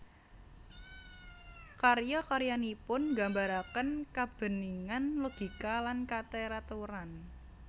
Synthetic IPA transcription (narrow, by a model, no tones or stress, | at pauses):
karjɔkaɾjanipʊnɡa̤mbaɾakənkab̥ə̤niŋanloɡ̥i̤kalankat̪eɾat̪uɾan